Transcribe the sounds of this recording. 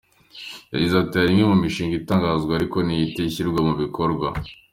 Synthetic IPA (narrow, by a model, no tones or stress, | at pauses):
ja̰ɟezatejaɾimɡemumiʃiːŋɡitaːŋɡaːzɡaːɾiko̞nijiteçiɾɡwamuβiko̞ɾɡwa